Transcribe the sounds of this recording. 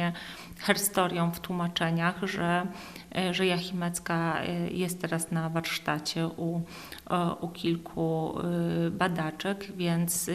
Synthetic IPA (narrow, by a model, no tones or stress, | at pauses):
ɛ | xɛɾst̪ɔɾʲjɔ̃w̃ft̪wumat͡ʂɛɲaxʐɛ | ʐɛjaxʲimɛt̪skajɛst̪t̪ːɛɾasnavaɾʂt̪at͡ɕɛʔu | ukʲilkʰu | bad̪at͡ʂɛkvʲjɛnt̪s